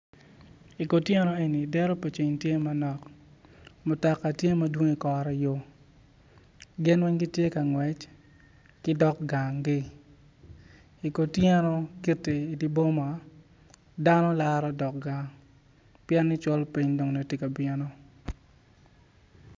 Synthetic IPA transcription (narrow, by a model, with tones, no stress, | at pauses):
i˨ko˨tjɛ˦nɔ˦e˨ni˨dɛ˦ɾo˦pe˨t͡ʃe˨ɲtje˦ma˦nɔ˨k | mʊ˨tɔ˨kːa˨tje˦ma˦dwo˦ŋi˨kɔ˨ɾɔ˨jo˦ | ɡɪ˦nwɛ˦ɲɡi˦tje˦ka˨ŋwɛ˨t͡ʃ | kɪ˦dɔ˦kɡa˨ŋɡɪ˦ | i˨ko˨tjɛ˦nɔ˦ki˦te˨i˨di˦bo˦ma˨ | da˦nɔ˦la˦ɾɔ˦dɔ˨k̚ɡa˨ŋ | pjɛ˦nːɪ˦t͡ʃwɔ˦lpi˦ɲdo˨ŋno˨ti˦ka˨bɪɛ˦no˦